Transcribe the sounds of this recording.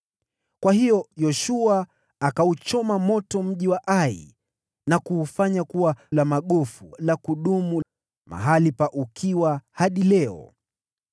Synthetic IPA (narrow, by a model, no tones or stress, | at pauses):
kwaɦijɔjɔʃuaː | kaut͡ʃɔmamɔtɔm̩ʄiwaʔaḭ | nakuːfaɲakuwalamaɠɔfulakuɗumu | ma̰ɦalipaʔukʰiwahaɗilɛɔ̰